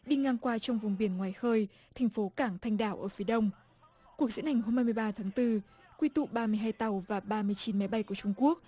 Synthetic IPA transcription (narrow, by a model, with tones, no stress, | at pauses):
ɗi˧ŋaː˧ŋkwaː˧t͡ɕɔ˧wŋ͡mvʊ˨˩ŋ͡mɓi˧˩ənŋwaː˨˩jxəː˧j | t̪ʰa˨˩jŋ̟fo˨˦kaː˧˩ŋt̪ʰa˧jŋ̟ɗaː˧˩wʔəː˧˩fi˨˦ɗə˧wŋ͡m | ku˨˩ək̚zɨ̰˧˥nha˨˩jŋ̟ɦo˧mhaː˧jmɨ˧əjɓaː˧t̪ʰaː˨˦ŋt̪ɨ˧ | kwi˧t̪ṵ˧˨ɓaː˧mɨ˧əjɦaː˧jt̪a˨˩wvaː˨˩ɓaː˧mɨ˧əjt͡ɕi˨˦nma˨˦jɓa˧jku˧˩ət͡ɕʊ˧ŋ͡mku˦˥ək̚